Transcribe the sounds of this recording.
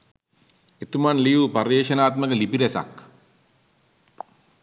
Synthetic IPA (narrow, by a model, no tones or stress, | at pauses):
et̪umanlijuːpɐrjeːʃɐnaːt̪məkəlipiɾesa̰k